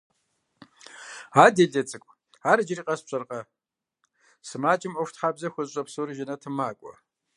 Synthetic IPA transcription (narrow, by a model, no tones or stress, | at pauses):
aːdeɮɐt͡sʼɨkʷʼ | aːɾɨd͡ʒɪriːqʼɐspɕʼɐrqɐ | sɨmaːt͡ʃʼɪmʔʷʊfʷtħaːbzɐxʷʊɕʼɐpsurɨʒɪnɐtʰɨmaːkʷʼɔ̰